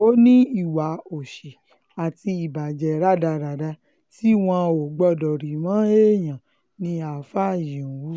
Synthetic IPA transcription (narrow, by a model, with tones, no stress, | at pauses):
o˦nĩ˦i˨wa˨o˨ʃe˨ | a˨ti˧i˨ba˨d͡ʒɛ˨ɾa˦da˧ɾa˨da˧ | ti˦w̃ɔ̃˧o˨ɡ͡bɔ˦˨dɔ˨ɾi˨mã˨˦e˦˨j̃ã˨ | nĩ˧a˨fa˦˨jĩ˨u˨˦